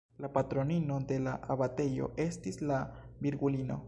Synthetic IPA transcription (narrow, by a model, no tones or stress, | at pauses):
lapat̪ɾoninod̪e̞laʔaβat̪e̞jo̞̰ʔe̞st̪isla | biɾɡulino̞̰